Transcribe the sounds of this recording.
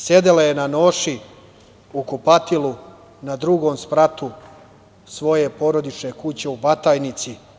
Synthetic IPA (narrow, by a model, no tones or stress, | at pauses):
sje̞d̪elajenano̞ːʃi | ukopat̪ilu | nad̪ɾuɡo̞ːmspɾat̪u | sʋo̞je̞po̞ɾo̞d̪it͡ʃne̞kut͡ɕe̞ubat̪aːjnit̪si